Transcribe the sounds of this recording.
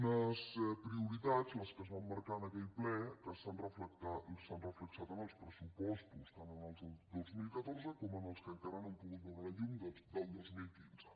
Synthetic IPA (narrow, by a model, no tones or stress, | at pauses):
nəspɾiuɾit̪ad͡zləskəzβamːəɾkanəkɛjplɛkəssanrəfləkt̪asanrəfləksat̪ənəlˠspɾəsupɔsp̪ust̪anənalzdəd̪ozmilkət̪ɔɾzəkɔmənəlˠskəŋkaɾanəmpuɣut̪̚bəɣaɾəʎumd̪əd̪əlˠd̪ozmilkinzə